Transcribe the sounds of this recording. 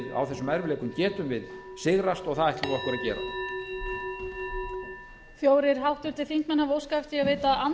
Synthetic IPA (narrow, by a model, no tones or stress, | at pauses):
ða̰wθɛsːʏmaɾvɪleːkʏmcɛːt̪ʏmvɪðsɪɣɾast̪ɔɣθaðaht̪ɪɾɔhkʏɾaðcɛ̰ːɾa̰ | fjoːwɾɪɾ̥ɦawht̪ʏɾ̥t̪ɪlθiŋ̥kmɛnhavowskajft̪iaveːjt̪aan